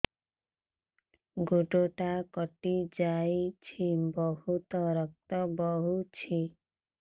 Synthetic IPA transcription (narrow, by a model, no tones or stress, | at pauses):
ɡoʈoʈakɔʈid͡ʒajt͡ʃʰibɔhut̪ɔɾɔk̚t̪ɔbɔɦut͡ʃʰi